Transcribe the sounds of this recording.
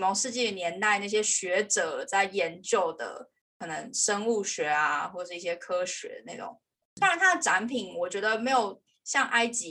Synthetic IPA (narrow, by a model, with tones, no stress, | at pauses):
mo˧˥ŋʂɻ̩˥˧t͡ɕi˥˩ə˩njɛ˧˥nt̪a˥˧ɪna˥˩ɕ̬jɛ˥ɕɥɛ˧˥ʈ͡ʂɤ˨˩˦t͡sa˥˩ɪjɛ˧˥nt͡ɕjo˥˩ʊd̪ə̰˩ | kʰɤ˨˩nə˧˦ŋʂə˥ŋu˥˩ɕɥɛ˧˥a˧xwɔ˥˩ə˩ʂɻ̩˥˧i˥˩ɕjɛ˥kʰɤ˥ɕɥɛ̰˧˥na˥˩ʈ͡ʂʊ̰˨˩˦ŋ | sa˧˦nt̪ʰa˥d̪ə˨˩ʈ͡ʂa˧˥npʰi˨˩ŋwɔ˨˩t͡ɕɥɛ˧˥d̪ə˧me˧˥ɪjo˨˩ʊ | ɕjɑ˥˩ŋʔa˥ɪt͡ɕi˧˥